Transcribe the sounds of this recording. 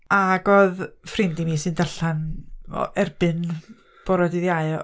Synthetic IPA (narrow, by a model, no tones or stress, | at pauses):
aɡɔðfrɪmdimiːsɨndaɬanɔ̰ɛrb̥ɨn | b̥ɔɾɔdiðjaɨ